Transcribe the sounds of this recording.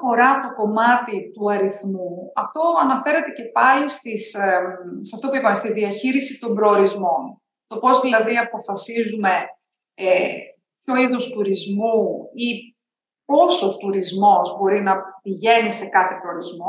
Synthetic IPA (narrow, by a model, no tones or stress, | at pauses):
o̞ɾɐt̪o̞ko̞mɐt̪it̪uɐɾiθmuɐft̪o̞ɐnɐfe̞ɾe̞t̪e̞ce̞pɐlist̪is | seɐft̪o̞puipɐmest̪iðiɐçiɾisit̪o̞mbɾoːɾizmo̞n | t̪o̞po̞siɐðɾiɐpofɐsizume̞ | pço̞iðust̪uɾizmui | po̞so̞st̪uɾizmo̞zbo̞ɾinɐpiʝe̞nise̞kɐθe̞pɾo̞ːɾizmo̞